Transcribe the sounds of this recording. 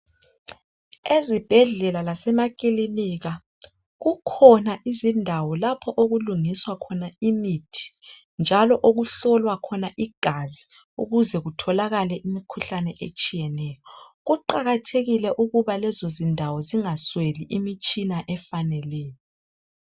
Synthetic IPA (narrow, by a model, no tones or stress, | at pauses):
ezib̥ʱɛɮɛlalasɛmakʼiliniɣa | ɣukʰɔnaʔizindʱawɔlapʰɔʔoɣuluŋiswakʰɔnaimitʰi̥ | nd͡ʒʱalɔʔoɣuɬɔlwakʰɔnaʔiɡ̥ʱazi | uɣuzɛɣutʰɔlaɣalɛʔimikʰuɬanɛʔet͡ʃʼijɛnɛːjɔɣuǃaɣatʰeɣilɛʔuɣuβalɛzozindʱawɔziŋasweliʔimit͡ʃʼinaʔɛfanɛlɛːjɔ